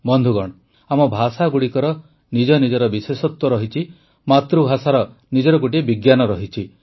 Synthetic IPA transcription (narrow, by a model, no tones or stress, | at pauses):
bɔnd̪ʱuɡɔɽ̃ | amɔbʱasaɡuɽikɔɾɔ | nid͡ʒɔnid͡ʒɔɾɔbisesɔt̪wɔɾɔɦit͡ʃʰi | mat̪ɾubʱasaɾɔ | nid͡ʒɔɾɔɡuʈ̬ibiɡjanɔɾɔɦit͡ʃʰi